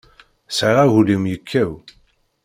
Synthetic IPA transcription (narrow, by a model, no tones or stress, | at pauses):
sʕʁæɣulimjəkʰːæw